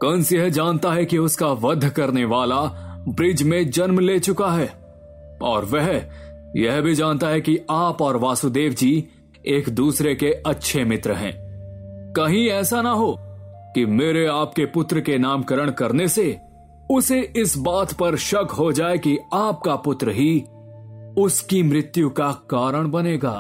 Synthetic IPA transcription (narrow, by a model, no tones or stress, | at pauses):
kɐ̃nsjɛɦd͡ʒaːnt̪aɦɛkiʊskaʋɐd̪ʱːkɐɾneʋaːlabɾɪd͡ʒmẽd͡ʒɐnmleːt͡ʃʊkaɦɛː | ɔːɾʋɛɦ | jɛɦbʱid͡ʒaːnt̪aɦɛkiaːpɔːɾʋaːsud̪eːʋd͡ʒiː | eːkd̪uːsɾekeɐtːʃʰemɪt̪ɾəɦɛ̰̃ː | kɐɦĩɛːsanɐɦokimeːɾeaːp̚kepʊt̪ɾəkenaːmkɐɾəɽ̃kɐɾnese | ʊseɪsbaːt̪pɐɾʃɐkɦod͡ʒaːekiaːp̚kapʊt̪ɾəɦi | ʊskimɾɪt̪jũkakaːɾəɽ̃bɐneːɡa̰ː